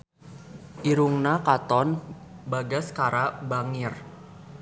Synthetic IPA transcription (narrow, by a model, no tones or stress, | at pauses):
ʔiɾuŋnakat̪ɔnbaɡaskaɾabaŋɪr